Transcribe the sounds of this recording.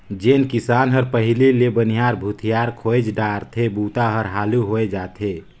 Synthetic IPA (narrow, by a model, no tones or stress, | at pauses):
d͡ʒenkisanɦəɾpəɦililebənijaɾbʱut̪ʰijaɾkʰoed͡ʒɖaɾt̪ʰebut̪aɦəɾɦaːluɦoed͡ʒaːt̪ʰe